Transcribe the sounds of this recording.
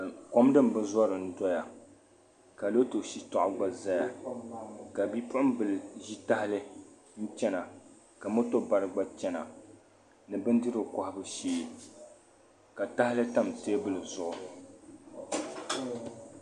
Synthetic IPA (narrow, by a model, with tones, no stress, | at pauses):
kɔ˦m˦dɨ˦m˨bɨ˦zɔ˦ɾɨ˨n̩˦dɔ˦ja˨ | ka˨lo˦to˨ʃi˦tɔ˨ʔʊ˦ɡ͡ba˦za˦ja˨ | ka˨bi˦pʊ˦ʊ˦m˦bɨ˨lɨ˨ʒi˦ta˦hɪ˦lɨ˦ | n̩˦t͡ʃɛ˦na˨ | ka˨mo˦to˦ba˨ɾɨ˨ɡ͡ba˦t͡ʃɛ˦na˨ | nɨ˨bɨ˦n˦dɨ˦ɾo˨ka˦hɪ˦bɨ˦ʃeː˦˨ | ka˨ta˦hɪ˦lɨ˦ta˦mteː˦bɨ˦lɨ˨zʊ˨ʔʊ˨